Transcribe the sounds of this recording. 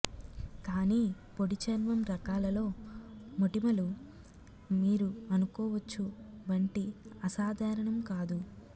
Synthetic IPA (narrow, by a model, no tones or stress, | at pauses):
kaːniː | poɽit͡ʃɐnʋɐmɾɐkaːlɐlo̞ːmoʈimɐlu | miːɾuɐnukɔːʋɐt͡ʃːuʋɐɳʈiɐsaːd̪ʱaːɾɐɳɐmkaːd̪u